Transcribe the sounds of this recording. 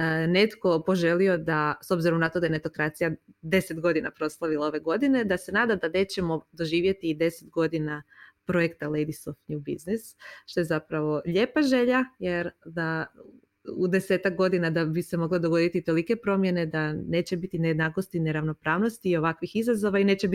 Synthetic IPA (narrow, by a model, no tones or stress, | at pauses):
ne̞t̪ko̞po̞ʒe̞lio̞d̪aso̞bziɾo̞mnat̪o̞d̪ajene̞t̪o̞kɾat̪sijad̪e̞se̞t̪ɡo̞d̪ina̰pɾo̞slˠaʋilao̞ʋe̞ɡo̞d̪ine̞d̪ase̞naːd̪ad̪ane̞t͡ɕe̞mo̞d̪o̞ʒiːʋje̞t̪iːd̪e̞set̪ɡo̞d̪inapɾo̞je̞kt̪alejd̪isoft̪ɲubḭznisʃt̪o̞jzapɾaʋo̞ʎe̞ːpaʒe̞ʎaje̞ɾd̪a | ud̪e̞se̞ːt̪ak̚ɡo̞d̪inad̪abise̞mo̞ɡlad̪o̞ɡo̞d̪it̪it̪olike̞pɾo̞mje̞ne̞d̪ane̞ːt͡ɕe̞bit̪inejed̪nako̞st̪ine̞ɾaʋno̞pɾaːʋno̞st̪iːo̞ʋakʋixizazo̞ʋaine̞ːt͡ɕeb